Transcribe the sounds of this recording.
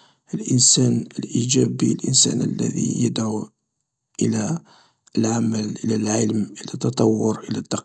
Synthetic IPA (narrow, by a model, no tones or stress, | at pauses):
ʔəlʔənsænəlʔid͡ʒæbilʔənsæ̰nəlːæ̰ðḭjəd̪ʕu | ʔəlæ | lʕaməlʔəlælʕələmʔəlæt̪ːɑt̪ˤɑwːʊɾʔəlæt̪ːɑ